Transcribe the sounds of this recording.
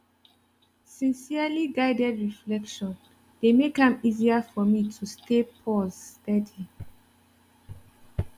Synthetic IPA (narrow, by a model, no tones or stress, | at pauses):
sĩnsialiɡaɪdɛdɹiflɛkʃɔ̃n | demekãmiziafɔmitʰustʰepʰɔzstɛdĩ